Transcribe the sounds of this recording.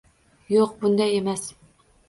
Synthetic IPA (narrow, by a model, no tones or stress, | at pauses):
joqbund̪ɛjemɛs